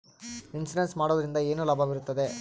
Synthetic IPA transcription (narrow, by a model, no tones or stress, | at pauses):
insnɐnsmaːɽoːd̪ɐɾind̪ɐe̞ːnulɐːbʱɐʋiɾut̪ːɐd̪e̞